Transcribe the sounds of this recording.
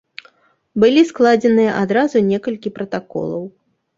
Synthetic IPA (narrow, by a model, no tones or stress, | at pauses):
bɨlʲisklˠad͡zʲɛnɨjɐʔad̪ɾazunʲɛkɐlʲkʲipɾɐt̪akɔ̰lˠɐ̰w